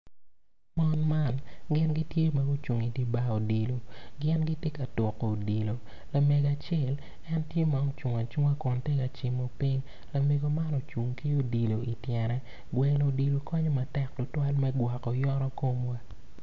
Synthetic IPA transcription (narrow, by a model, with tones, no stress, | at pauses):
mɔ˦nma˦˨nɡɪ˦nɡi˦tje˦ma˨ɡo˦t͡ʃu˨ŋi˨di˦ba˦o˨di˨lo˨ɡɪ˦nɡi˦tje˦ka˨tʊ˨kːo˨o˨di˨lo˨ | la˨me˨ɡa˨t͡ʃɪ˦˨l | ɛ˦ntje˦ma˨o˦t͡ʃu˨ŋa˨t͡ʃu˦ŋa˦kɔ˨nte˦ka˨t͡ʃi˨mo˨pi˦ɲ | la˨me˨ɡo˨ma˦nɔ˨t͡ʃu˨ŋki˦o˨di˨lo˨i˨tjɛ˨ɾɛ˨ | ɡwɛ˨lo˨di˨lo˨kɔ˦ɲɔ˦ma˨tɛ˦klʊ˨twa˦lmɛ˦ɡwa˨kɔ˨jɔ˦ɾɔ˦ko˦mwa˦